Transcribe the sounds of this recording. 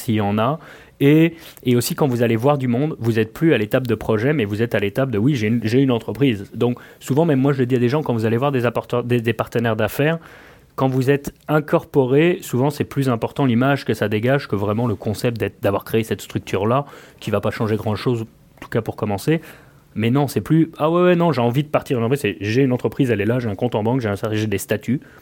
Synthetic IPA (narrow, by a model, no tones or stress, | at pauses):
sijɑ̃na | eeosikɑ̃vuzalevwaʁd̪ymɔ̃d̪vuzɛt̪̚plyalet̪ap̚d̪əpχɔʒɛmɛvuzɛt̪alet̪ap̚d̪əwiʒeʒeynɑ̃t̪χəpχizd̪ɔ̃ksuvɑ̃mɛmːwaʒələd̪iad̪eʒɑ̃kɑ̃vuzalevwaʁd̪ezapʁt̪d̪ed̪epaʁt̪ənɛʁd̪afɛʁ | kɑ̃vuzɛt̪ɛ̃kɔʁpɔʁesuvɑ̃sɛplyzɛ̃pɔʁt̪ɑ̃limaʒkəsad̪eɡaʒkəvʁɛmɑ̃ləkɔ̃sɛp̚t̪̚d̪ɛt̪d̪avwaʁkχeesɛt̪st̪χyk̚t̪ʰyʁlakʲivapaʃɑ̃ʒeɡʁɑ̃d̪ʃoz | ɑ̃t̪u̥kapuʁkɔmɑ̃se | mɛnɔ̃sɛplyawɛwɛnɔ̃ʒeɑ̃vid̪əpaʁt̪iʁynɑ̃tpʰʁisɛʒeynɑ̃t̪χəpχizɛlɛlaʒeɛ̃kɔ̃t̪ɑ̃bɑ̃kʒeɛ̃sɛt̪ʒed̪est̪at̪ʰy